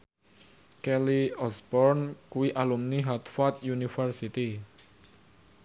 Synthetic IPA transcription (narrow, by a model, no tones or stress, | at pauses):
kɛliɔsbɔrnkuwiʔalumniɦat̪fat̪̚junifərsit̪i